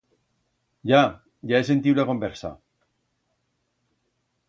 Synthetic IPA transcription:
ʝa | ʝaesent̪iulako̞mbeɾsa̰

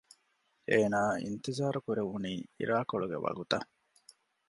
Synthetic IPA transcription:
eːnaːḭnt̪izaːɾukuɾeʋuniːḭɾaːkoɭuɡeʋɐ̰ɡut̪ɐ

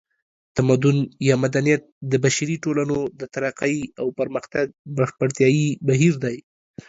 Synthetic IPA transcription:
t̪amad̪ʊnjɑmad̪anijat̪̚d̪əbaʃaɾiʈolanod̪ət̪aɾaqajawpəɾməxt̪aɡbaʃpəɾt̪jɑjibaɦiɾd̪aj

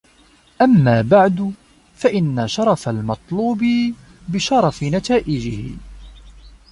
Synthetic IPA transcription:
ʔamːaːbaʕd̪ʊ | faʔɪnːaʃɑɾˤɑfalmɑt̪ˤluːbɪ | bɪʃɑɾˤɑfɪnat̪aːʔɪd͡ʒɪhɪ̰

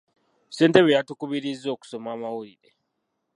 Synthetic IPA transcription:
se̞ːnteβejatukuβiɾizːo̞ːku̥so̞maːmawuɾiɾe

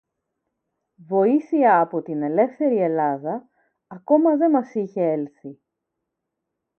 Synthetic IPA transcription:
vo̞iθiɐːpo̞t̪ine̞le̞fθe̞ɾie̞lɐðɐː | ko̞mɐðe̞mɐsiçe̞e̞lθi

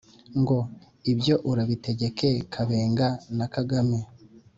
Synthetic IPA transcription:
ŋɡo̞ | ibjo̞ʔuɾaβite̞ɟe̞ke̞kʰaβe̞ːŋɡanakaɡame

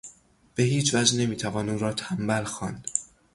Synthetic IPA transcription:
b̥e̞ɦiːt͡ʃvæd͡ʒne̞miːt̪ʰævɒːnuːɾɒːt̪ʰæmbælxɒːnd̪̥

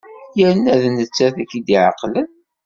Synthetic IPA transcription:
jəɾənæðnət͡sːæθækːid̪iʕa̰qːlən

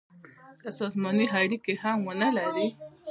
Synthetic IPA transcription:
kəsɑzmɑniɦaɽikehamwənəlaɾi

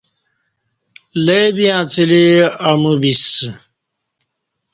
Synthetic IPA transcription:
lebijãːt͡siliɐmubis

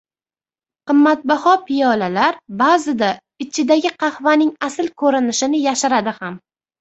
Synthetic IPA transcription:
qɨmːat̪̚bahɒpʰɪjɒlalaɾbazɪd̪a | ɪt͡ʃʰɪd̪aɡʲɪqʰɑhvanɪŋasɪlkʰɵɾɪnɪʃɪnɪjaʃaɾad̪ɪham

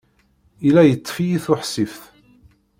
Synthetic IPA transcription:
ilːæjət̪ˤːfijiθʊħsifθ

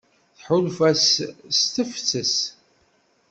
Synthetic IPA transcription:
θħʊlfæsst̪əft͡sːəs

